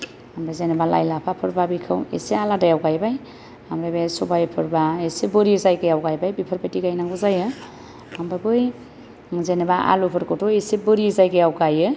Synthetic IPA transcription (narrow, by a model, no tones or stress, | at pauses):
ambɾazenebala̰jlapʰapʰɯɾbabikʰɯwḛsealadajawɡajbaj | amɾajbesɔbajpʰɯɾbaesebɯɾizajkɯjawɡajbajbipʰɯɾbatiɡajnaŋɡuzajɯ | ambabɯj | zenebaʔa̰lupʰɯɾkɔtʰɔesebɯɾizajɡɯjawɡajɯ